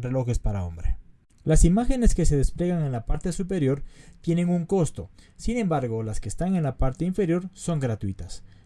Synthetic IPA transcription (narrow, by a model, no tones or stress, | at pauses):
relo̞xespaɾao̞̰mbɾḛ | lasimaxe̞ne̞ske̞seðesple̞ɣaŋe̞nlapaɾt̪e̞supe̞ɾjo̞ɾt̪je̞ne̞ŋuŋko̞st̪o̞sine̞mbaɾɣolaskeːst̪aŋe̞nlapaɾt̪eiɱfe̞ɾjo̞ɾso̞ŋɡɾat̪wit̪as